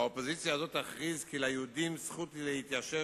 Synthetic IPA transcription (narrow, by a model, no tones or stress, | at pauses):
aopozit͡sjaːzo̞t̪aχʁizkilajeud̪imsχut̪ilehit̪jaʃe